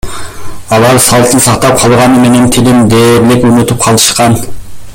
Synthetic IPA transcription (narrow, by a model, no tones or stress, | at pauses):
ɑlˠɑɾsɑlˠt̪ʰɨnsɑχt̪ɑp̚qʰɑlˠʁɑnɨmenɛnt̪ʰɪlɪmd̪eɾlɪkʲønyt̪ʰyp̚qʰɑlˠɨʃqɑn